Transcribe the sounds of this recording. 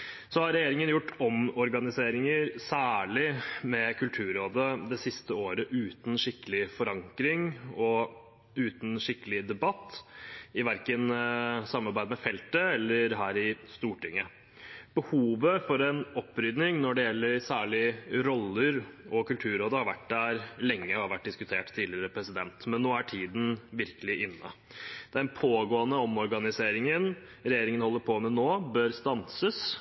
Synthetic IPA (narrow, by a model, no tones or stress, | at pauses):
sɔhɑɾɛjeːɾɪŋənjʊʈːɔmɔɾɡɑnɪseːɾɪŋəɾsæːɭɪmɛkʰʉlt̪ʰʉːɾoːd̪əd̪ɛsɪst̪əoːɾəʔʉːt̪n̩ʂɪkːəlɪfɔɾɑŋkɾɪŋɔ | ʉːt̪n̩ʂɪkːəlɪd̪ɛbɑt̪ːɪʋæɾkənsɑmːɑɾbæɪd̪əmɛfɛlt̪əɛlːəɾɦæːɾɪst̪uːʈɪŋːə | b̥əhuːʋəfɔɾɛnɔpːɾʏd̪nɪŋnɔɖɛjɛlːəɾsæːɭɪɾɔlːəɾɔkʉlt̪ʰʉːɾoːd̪əhɑɾʋæʈd̪æɾlɛŋːəɔhɑɾʋæʈ̚ːd̪ɪskʉt̪ʰeːʈt̪ʰːiːlɪəɾəpʰɾɛsɪd̪ɛnt̪mɛnːoːæʈʰiːd̪n̩ʋɪɾkəlɪʔɪnːə̰ | d̪̥ɛæɾɛnpʰoːɡoːənəɔmɔɾɡɑnɪseːɾɪŋən | ɾɛjeːɾɪŋənhɔlːəɾpʰoːmɛnoːbøːɾst̪ɑnsəs